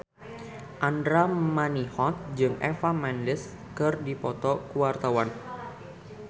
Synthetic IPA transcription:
ʔandɾamanihɔt̪̚d͡ʒɨŋʔɛ̰famɛnlɪs | kɨrdipɔt̪ɔkuwart̪awan

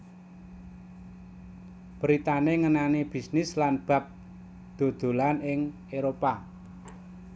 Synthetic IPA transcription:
b̥əɾit̪aneŋənaneb̥i̤snɪslanb̥ä̤p̚ | d̪̥o̤d̪̥o̤lanɪŋ | eɾopa

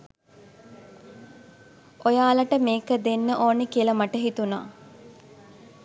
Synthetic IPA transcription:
ʔojaːlɐʈəmeːkəd̪enːəʔoːnekiəlɐmɐʈəɦit̪una̰ː

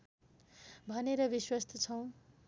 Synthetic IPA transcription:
bʱʌneɾʌbiswʌst̪ʰʌt͡sʰʌw̃

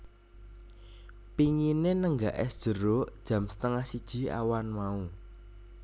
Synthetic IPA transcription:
piŋinenəŋɡaʔɛ̰sd̥ʒ̥ə̤ɾod̥ʒ̥ä̤msə̥t̪əŋahsid̥ʒ̥i̤a̰wanmau

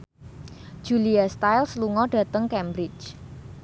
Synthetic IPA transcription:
ʒ̥uliast̪ajlsluŋɔɖ̥ä̤t̪əŋkɛmbɾɪt͡ʃ

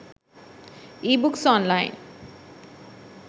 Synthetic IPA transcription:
ibuksɔnlajn

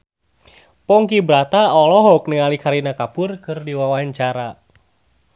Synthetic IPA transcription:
pɔŋkibɾat̪aɔlɔɦɔk̚nəŋalikaɾinakapʊrkɨrdiwawaɲt͡ʃaɾa

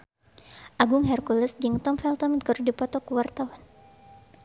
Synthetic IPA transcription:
ʔaɡʊŋɦɛrkuləsd͡ʒɨŋt̪ɔmfɛlt̪ɔmint̪̚kəɾudipɔt̪ɔkuwart̪awan

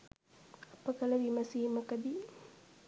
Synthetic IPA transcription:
ɐpəkɐlɐʋimɐsiːmɐkɐd̪i

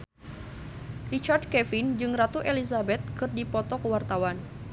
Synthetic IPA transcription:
rit͡ʃard̚kɛfind͡ʒɨŋrat̪uʔelisabɛt̪̚kɨrdipɔt̪ɔkəwart̪awan

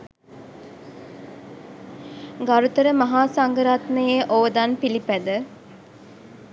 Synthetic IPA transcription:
ɡaɾut̪əɾəmaɦaːsaŋɡəɾat̪nəjeʔoʋəd̪anpilipæd̪ə

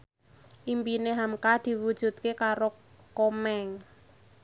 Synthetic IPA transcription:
ʔimpineɦamkad̪̥i̤wud̥ʒ̥ṳt̪̚kekaɾo | komɛŋ

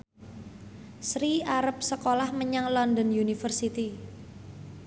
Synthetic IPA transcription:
sɾiaɾəp̚səkolahməɲaŋlɔnd̪ɔnjunifərsit̪i

